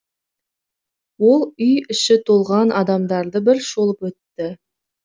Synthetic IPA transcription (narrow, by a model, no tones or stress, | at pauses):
wo̞lˠʏjʏʃɪt̪ʰo̞lˠʁɑnʔɑd̪ɑmd̪ɑɾd̪əbɪɾʃo̞lˠəpwɵt̪ːɪ